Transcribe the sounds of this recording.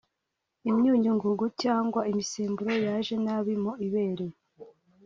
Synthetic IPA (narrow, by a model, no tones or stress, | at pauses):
imɲuːɲuŋɡuɡucaːŋɡwaimiseːmbuɾo̞jaʒe̞naβimoiβe̞ːɾe